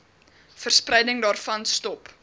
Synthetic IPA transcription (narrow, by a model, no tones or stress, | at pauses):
fərsprɛjdəŋdɑːrfɐnstɔp